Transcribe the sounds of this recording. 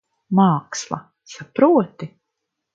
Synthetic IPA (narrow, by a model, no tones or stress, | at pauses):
maːkslˠa̰ | sapɾuɔt̪i